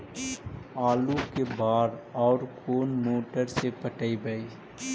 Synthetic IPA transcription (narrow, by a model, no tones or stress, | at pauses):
aːlukebaːɾɔːɾkʰoːnmoːʈəɾsepəʈəibəiː